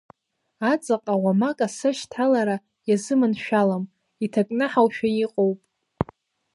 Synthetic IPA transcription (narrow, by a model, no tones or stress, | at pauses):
at͡sʼaqʼawamakʼasɨʃtʰalaɾa | jazɨmɨnʃᶣalam | itʰakʼnɨħawʃᶣajiqʼowpʼ